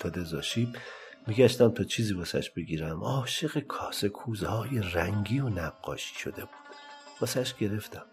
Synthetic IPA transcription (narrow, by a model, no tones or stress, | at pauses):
t̪ʰɒːd̪ezɒːʃiːb | miɡæʃt̪æmt̪ʰɒːt͡ʃʰiːziːbɒsæ̰ʃb̥eɡiːɾæmɒːʃe̞ɣekʰɒːsekʰuːzhɒːjeræŋɡiːonæɢːɒ̰ːʃi̥ːʃo̞̰d̪e̞b̥u̥ːd̪̥ | b̥ɒsæʃɡ̥e̞ɾe̞ft̪æm